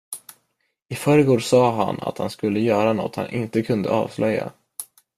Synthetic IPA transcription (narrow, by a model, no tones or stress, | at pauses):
ɪfœɾəɡoːɖsɑːɦa̰na̰t̪hanskɵlːəjœːɾanɔ̰t̪ha̰nʔɪnt̪əkʰɵnd̪ə̰ʔɑ̰ːvslʔœjːa̰